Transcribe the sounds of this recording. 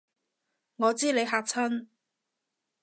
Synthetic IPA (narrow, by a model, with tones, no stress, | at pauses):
ŋɔː˨˧t͡siː˥le˨˧jɦaː˧k̚t͡sʰɐ˥n